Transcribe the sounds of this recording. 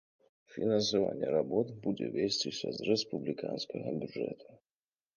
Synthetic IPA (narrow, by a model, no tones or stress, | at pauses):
fʲinɐnsava̰nʲːɛɾabɔt̪bud͡zʲɛvʲesʲt͡sʲisʲɐzrɛspublʲikʰanskɐɣɔbʲuʐɛ̰t̪ʰu